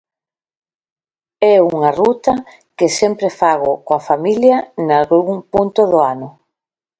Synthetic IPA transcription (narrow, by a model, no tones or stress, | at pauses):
ɛuŋɐrut̪ɐ | kɪsɛmpɾɪfaɣ̞ʊkoafamiljɐnalɣɾuŋpunt̪ʊðʊanʊ